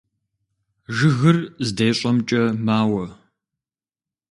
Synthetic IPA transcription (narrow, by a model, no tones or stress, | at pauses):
ʒɨɣɨrzdeːɕʼɐmt͡ʃʼɐmaːwɐ